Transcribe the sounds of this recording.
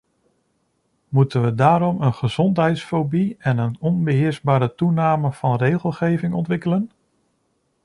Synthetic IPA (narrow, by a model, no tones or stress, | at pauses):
mutənʋədaːɾɔmənχəz̥ɔntɦɛjtsfobiɛnənɔnbəɦɪːɹzbaːɾətunaːməv̥ɑnrejχəlˠχejvɪŋɔntʋɪkələn